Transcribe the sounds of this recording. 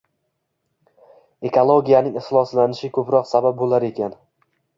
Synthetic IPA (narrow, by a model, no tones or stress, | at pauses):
e̞kʰolˠoɡʲijanɪŋɪχlˠɒslanɪʃɪkʰɵpɾɒqsabap̚bolaɾe̞kʲan